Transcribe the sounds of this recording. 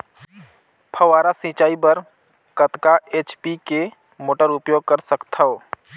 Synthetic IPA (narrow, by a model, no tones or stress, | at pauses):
pʰəʋaːɾasĩːt͡ʃaːipəɾ | kət̪kaeːt͡ʃpikemoːʈəɾʊpjoːɡ̚kəɾsəkt̪ʰaoː